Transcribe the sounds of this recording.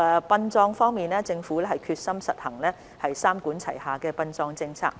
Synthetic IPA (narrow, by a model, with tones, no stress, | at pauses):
ɛ˨˧pɐ˧nt͡sɔː˧ŋfɔː˥ŋmiː˨nɛː˥t͡sɪ˧ŋfuː˨˥lɛː˥ɐ˨jkʰyː˧t̚sɐ˥msɐ˨t̚hɐ˨˩ŋlɛː˥ | hɐ˨jsaː˥mkuː˨˥nt͡sʰɐ˨˩jhaː˨kɛː˧pɐ˧nt͡sɔː˧ŋt͡sɪ˧ŋt͡sʰa̰ː˧k̚